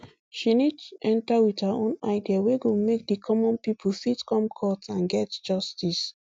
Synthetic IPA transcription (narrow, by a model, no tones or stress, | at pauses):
ʃinitɛ̃ntawiðhaõnaɪdiaweɡomek̚dikʰɔmɔ̃npipʰl̩sitkɔ̃mkʰɔtãnɡɛtd͡ʒɔstis